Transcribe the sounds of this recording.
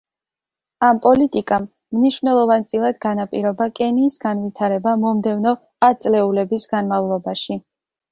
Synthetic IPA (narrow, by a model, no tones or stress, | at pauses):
ampʼɔlit̪ʼikʼamː | niʃvnɛlˠɔvant̪sʼilˠad̪ɡanapʼiɾɔbakʼɛniːsɡanvit̪ʰaɾɛbamɔmd̪ɛvnɔ | at̪sʼlɛulɛbisɡanmavlˠɔbaʃi